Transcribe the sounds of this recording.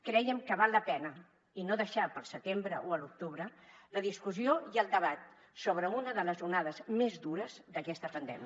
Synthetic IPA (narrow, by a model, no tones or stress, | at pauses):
kɾɛjəmkəβ̞alˠːəpɛnə | inoðəʃapəlˠsət̪embɾəʔoəluk̚t̪uβɾələðiskuzioiəlˠd̪əβat̪̚ | soβɾəunəðələzunaðəzmezd̪uɾəzd̪əkɛst̪əpənd̪ɛ̰mi